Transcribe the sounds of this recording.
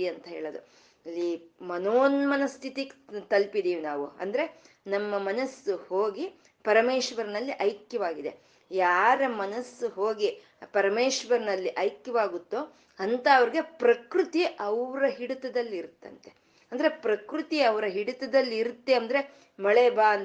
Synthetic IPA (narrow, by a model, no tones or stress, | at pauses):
iɐnt̪ɐɦḛːɭɐd̪ṵ | ɐlːimɐnoːnmɐnɐst̪ʰit̪ikt̪ɐlpid̪iːʋinaːʋuɐ̰nd̪ɐɾe̞nɐmːɐmɐnɐsːuhoːɡi | pɐɾɐmeːʂʋɐɾnɐlːiʔɐjkjɐʋaːɡid̪e̞̰ | jaːɾɐmɐnɐsːuɦoːɡi | pɐɾɐmeːʂʋɐɾnɐlːiʔɐjkjɐʋaːɡut̪ːoː | ɐnt̪ɐːʋɐɾiɡe̞pɾɐkɾut̪iʔɐʋɾɐɦiɽut̪ɐd̪ɐlːiiɾt̪ːɐ̰nt̪e̞̥ | ɐnd̪ɐɾe̞pɾɐkɾut̪iɐʋɐɾɐɦiɽut̪ɐd̪ɐlːiːɾut̪ːeɐnd̪ɐɾe̞ | mɐɭeːbaːn